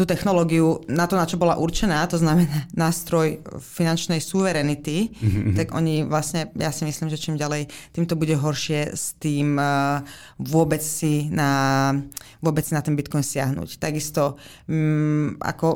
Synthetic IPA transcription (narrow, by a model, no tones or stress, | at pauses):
t̪uːt̪ɛxnɔlɔɡiunat̪ɔnat͡ʃɔbɔlaʔuɾt͡ʃɛnaːt̪ɔznamɛnaːnaːst̪ɾɔjfinant͡ʃnɛjsuʋɛɾɛnit̪it̪aɡʔɔ̰ɲiʋlasɲɛja̰simisliːmʒɛt͡ʃiːmɟalɛjt̪iːmt̪ɔbuɟɛɦɔɾʃɪɛst̪iːm | ʋʊɔbɛt͡ssina | ʋʊɔbɛt͡ssinat̪ɛnbit̪kɔjnsɪaɦnṵːct̪aɡist̪ɔ | ʔa̰kɔ